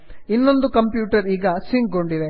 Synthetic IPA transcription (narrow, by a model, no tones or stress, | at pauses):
inːond̪ukɐmpjuːʈɐɾiːɡɐsiŋɡ̚ɡo̞ɳɖid̪e̞